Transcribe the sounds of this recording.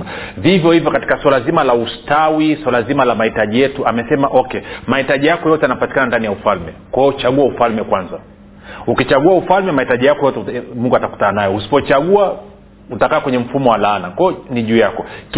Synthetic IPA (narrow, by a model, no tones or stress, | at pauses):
avivjɔhivjɔkati̥kaswalazimalaustawiswalazimalamahitaʄijɛtuamɛsɛmaʔɔkɛmahitaʄijakɔjɔtɛanapati̥kanandanijaufalmɛkwaɔt͡ʃaɠuaufalmɛkwanza | ukit͡ʃaɠuaufalmɛmahitaʄijakɔjɔtɛmuŋɡuataku̥tananajɔusi̥pɔt͡ʃaɠua | utakaːkwɛɲɛm̩fumɔwalaːnakɔniʄuːjakɔk